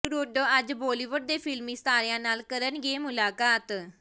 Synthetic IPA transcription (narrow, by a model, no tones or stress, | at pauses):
ɾoɖoːəd͡ʒbɔːliːʋʊɖ̚d̪eːpʰɪlmiːst̪aːɾɪjãːnaːlkəɾənɡeːmʊlaːkaːt̪